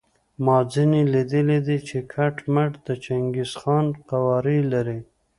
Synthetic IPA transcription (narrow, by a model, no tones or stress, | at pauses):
mɑzinilid̪əlid̪it͡ʃekʰaʈmaʈd̪ət͡ʃaŋɡisxɑnqawɑɾilaɾi